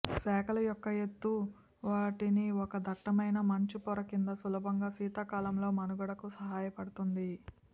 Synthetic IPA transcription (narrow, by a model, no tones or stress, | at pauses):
sɛːkɐlɐjɔkːɐjet̪ːu | ʋaːʈiniɔkɐd̪ɐʈːɐmɐjnɐmɐɲt͡ʃipɔɾɐkind̪ɐsulɐbʱɐŋɡaːsiːt̪akaːlɐmlo̞ːmɐnuɡɐɽɐkusɐɦaːjɐpɐɽut̪und̪i